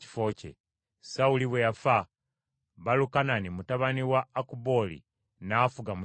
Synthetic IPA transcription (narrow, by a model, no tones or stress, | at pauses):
i̥fo̞ːcḛ | sauliβweafa | βalukananimutaβaniwaːkubo̞lḭ | nafuɡamu